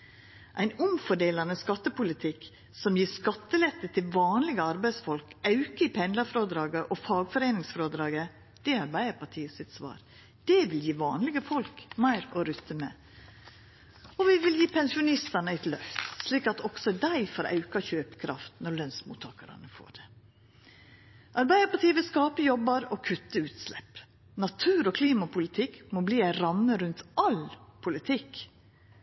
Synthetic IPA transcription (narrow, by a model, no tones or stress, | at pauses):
ʔæɪnʊmfɔɖeːlɑnəskɑt̪ːəpʊlɪt̪ʰɪkː | sɔmjiːɾskɑt̪ːəlɛt̪ːət̪ʰɪlʋɑːnlɪɡəɑɾbæɪsfɔlkɑʉkəɪpʰɛnlɑfɾoːd̪ɾɑːɡəʔɔfɑːɡfɔɾeːnɪŋsfɾoːd̪ɾɑːɡə | d̪̥ɛɑɾbæɪəɾpɑʈʰiːəsɪt̪sʋɑ̰ːɾ | d̪̥ɛʋɪljiːʋɑ̰ːnlɪɡəfɔlkmæɪɾɔɾʉt̪ːəmɛ | ɔʋɪʋɪljiːpʰɛnsɪʊnɪst̪ɑnəæɪt̪lœft̪sliːkɑt̪ɔksɔd̪æɪfɔɾʔɑ̰ʉkɑçøːpə̥kʰɾɑ̰ft̪nɔɾɭœnsmṵːt̪ʰːɑːkəɾɑ̰nəfo̰ːɖɛ | ʔɑɾbæɪd̪əɾpɑʈiːəʋɪlskɑːpəjɔbəɾɔkʰʉt̪ːəʉːt̪slɛ̰p | nɑt̪ʰʉːɾɔkʰliːmɑpʰʊlɪt̪ʰɪkmɔbliːæɪɾɑmːəɾʉnt̪ʔɑlpʰʊlɪt̪ʰɪk